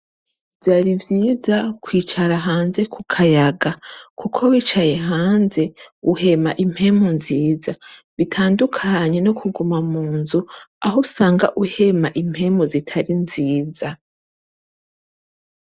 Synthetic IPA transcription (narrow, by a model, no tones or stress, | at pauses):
v̥jaːɾivjiːzakwiːt͡ʃaɾaɦaːnze̞kʰukʰajaɡakʰukʰo̞wit͡ʃajeɦaːnze̞uhe̞maʔim̥he̞munziːzaβitʰaːndukʰaɲe̞nokʰuɡumamuːnzuaɦousaːŋɡaʔuhe̞maʔim̥he̞mozitʰaɾinziːza